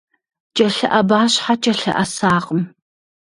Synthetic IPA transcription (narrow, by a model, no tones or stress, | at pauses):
t͡ʃʼɐɬɐʔɐbaːɕħat͡ʃʼɐɬɐ̰ʔɐsaːqəm